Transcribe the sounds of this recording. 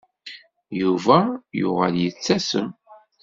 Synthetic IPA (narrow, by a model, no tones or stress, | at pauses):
juvæjʊ̰ʁəljət͡sːæsəm